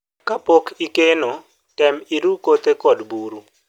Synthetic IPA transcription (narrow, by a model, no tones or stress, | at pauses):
kapokʰikeno | kɛmiɾukot̪ekɔdbuɾu